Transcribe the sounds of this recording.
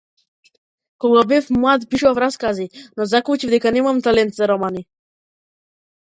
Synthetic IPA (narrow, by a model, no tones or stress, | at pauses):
kɔɡabɛfmwad̪piʃɔvɾaskazinɔzaklut͡ʃivd̪ɛkanɛmamt̪alɛnt̪zaɾɔmani